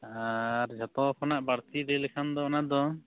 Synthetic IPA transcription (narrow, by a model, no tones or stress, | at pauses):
aɾd͡ʒʱat̪ɔkʰɔnaʔbaɾt̪iɾɛlɛkʰand̪ɔɔnad̪ɔ